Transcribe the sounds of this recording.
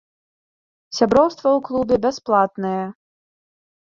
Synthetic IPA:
sʲabɾɔwst̪vɐwklˠubʲɛbʲɛsplˠat̪nɐjɛ

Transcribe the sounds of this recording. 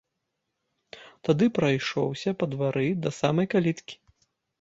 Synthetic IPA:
t̪ad̪ɨpɾajʂɔ̰wsʲɐpɐd̪vaɾɨd̪ɐsamɐjkalʲit̪kʲi̥

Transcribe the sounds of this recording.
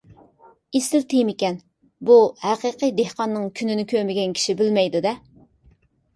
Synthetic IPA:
isɪɾt̪ʰejmɪkʲɛn | buhæqəqʰɨjd̪ehqɑnːɨŋkʲʰynɪnɪkʲʰømɪɡʲɛnkʲʰi̥ʃibɪlmɛjd̪ɨd̪ɛ

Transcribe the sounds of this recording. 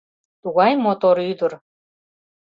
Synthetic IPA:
t̪uɣɑjmot̪oɾyd̪ə̆ɾ

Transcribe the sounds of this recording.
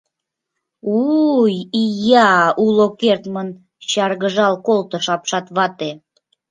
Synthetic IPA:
ujijɑulokert̪mən | ɕɑrɣəʒɑlkolt̪əʃɑpʃɑt̪βɑt̪e

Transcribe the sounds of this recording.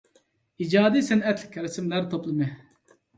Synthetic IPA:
id͡ʒɑːd̪isɛnɛt̪ʰli̥kʰʲɛɾɛsɪmlæɾt̪ʰoplˠɨmɨ

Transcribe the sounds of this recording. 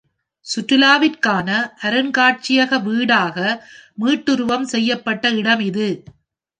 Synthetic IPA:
sʊʈːɯlaːʋɪrkaːnɐʔɐɾɯnɡaːʈ̚t͡ʃɪjɐɣɐʋiːɽaːɣɐmiːʈːɯɾɯʋɐmsɛjːɐpːɐʈːɐɪɽɐmɪðɯ

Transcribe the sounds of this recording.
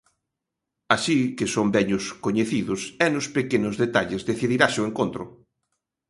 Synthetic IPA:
asikesombɛɲʊskoɲeθiðʊsɛnʊspekenʊzðet̪aʎezðeθiðiɾasʊeŋkont̪ɾʊ

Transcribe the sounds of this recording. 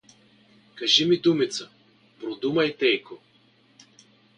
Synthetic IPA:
kaʒimid̪umit̪sa | pɾod̪umɐjt̪ɛjko

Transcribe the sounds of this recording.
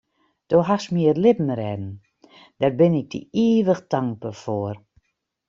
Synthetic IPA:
d̥oɦasmiətlɪpn̩rɛdn̩ | d̥ɛrbɪnɪk̚də̰iːʋəxtaŋbəfoər

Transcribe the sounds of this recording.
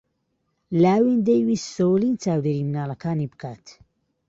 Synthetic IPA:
laːwind̪ejwissowlint͡ʃaːwd̪eɾiːminaːlɐkaːnibɨkʰaːt̪

